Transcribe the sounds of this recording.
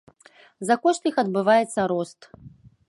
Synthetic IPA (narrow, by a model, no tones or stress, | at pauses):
zakɔʂt̪ixɐd̪̚bɨvajɛt̪sːɐɾɔst̪